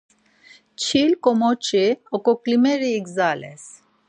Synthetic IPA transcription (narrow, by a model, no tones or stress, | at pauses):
t͡ʃʰilkɔmɔt͡ʃiɔkɔklimɛɾiːɡzalɛ̰s